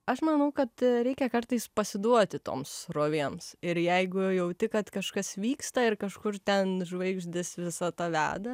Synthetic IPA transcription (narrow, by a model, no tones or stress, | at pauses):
ɐʃmɐnɐʊkɐt̪ɾʲɛɪkʲɛkɐrt̪ɐɪspɐsʲɪd̪uɔt̪ʲɪt̪o̰ːmsroːʋʲeːmsɪɾjɛɪɡʊjɛʊt̪ʲɪkɐt̪kɐʃkɐsʋʲiːkst̪ɐɪrkɐʃkʊrt̪ʲɛnʒʋɐɪɡʒʲd̪ʲɪsʋʲɪsɐt̪ɐʋʲæ̰ːd̪ɐ